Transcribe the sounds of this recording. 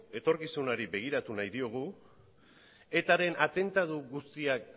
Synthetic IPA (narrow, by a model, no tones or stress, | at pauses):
e̞t̪o̞ɾkisunaɾibe̞ɣ̞iɾat̪unajðio̞ɣ̞u | e̞t̪aɾe̞nʔat̪e̞nt̪aðuɣust̪iak